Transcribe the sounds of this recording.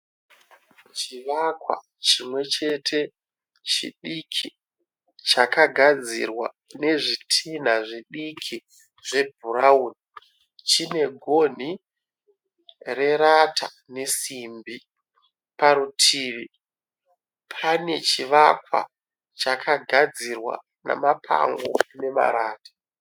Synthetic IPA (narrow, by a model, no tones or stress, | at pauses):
t͡ʃiʋakwa̰ | t͡ʃimwe̞t͡ʃe̞tʰe̞ | t͡ʃḭɗikʰi | t͡ʃakaɡʱad͡zḭrwa̰ | ne̞ʐitʰin̤aʐiɗikʰi | ʐe̞bʱuɾauːni | t͡ʃine̞ɡʱo̞n̤i | re̞ɾatʰa | ne̞simbi | paɾutʰiːʋi | pʰane̞t͡ʃiʋakwa̰ | t͡ʃakʰaɡʱad͡zirwa̰ | na̰mapʰa̰ŋɡo̰ne̞ma̰ɾaːtḁ